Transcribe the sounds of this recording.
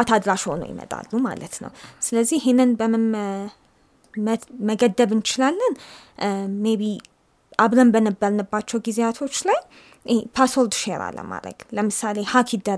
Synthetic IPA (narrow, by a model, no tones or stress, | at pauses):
at̪ʰad̪ɾaʃhono̰jɪ̰mə̰t̪ʼa̰lːuma̰lə̰t̪nə̰wsɨləzːihenːɨnbəm | məɡəd̪ːəβɨnt͡ʃɪlalːən | meβi | ʔaβɾəmbənəbːəɾnɨbːat͡ʃːɛwɡizeat̪ʰo̞t͡ʃːlaj | pʰaswold̪ʃeɾa̰lːə̰ma̰d̪ɾə̰ɡ̥ləmɨsale̞hakʰid̪ə